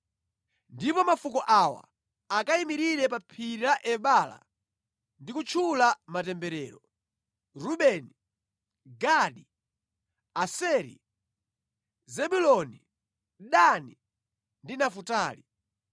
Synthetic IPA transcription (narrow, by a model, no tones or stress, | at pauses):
ndipɔmafukɔʔawa̰ | akaimiɾiɾɛpapʰiɾiɾaʔɛɓala̰ | ndikut͡ʃʰulamatɛmbɛɾɛːɾɔ | ɾuɓɛni | ɡaɗi | asɛɾḭ | zɛɓulɔni | ɗani | ndinafutaːli